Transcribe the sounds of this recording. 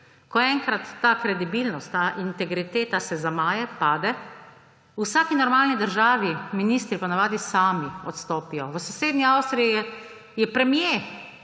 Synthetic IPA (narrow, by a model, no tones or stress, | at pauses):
kɔɛŋkɾat̪ːaːkɾɛd̪ibilnɔst̪ːaʔint̪ɛɡɾit̪eːt̪asɛzamaːjɛpaːd̪ɛ | usaːkinɔɾmaːlnid̪əɾʒaːʋiminiːst̪ɾipanaʋaːd̪isaːmiɔt̪st̪ɔːpijɔʋəsɔseːd̪niawst̪ɾijiɛ | jɛpɾɛmje